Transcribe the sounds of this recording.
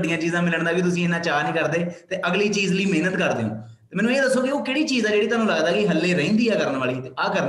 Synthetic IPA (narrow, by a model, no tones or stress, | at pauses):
ɖɪjãːt͡ʃiːzãːmɪləɳd̪aːkɪt̪̬ʊs̬ĩːɪnãːt͡ʃaːnĩːkəɾd̪eːt̪eːʔəɡliːt͡ʃiːzliːmeːnət̪kəɾd̪eːõ̰ː | eːmɛ̃ːnũːɪ̃ːd̪əsːoːkɪoːkeːɽiːt͡ʃiːzãːd͡ʒeːɽiːt̪aːnũːlaɡd̪aːkiɦəlːeːɾɛ̃ĩːnd̪iːɛːkəɾənʋaːliːt̪eːaːkəɾ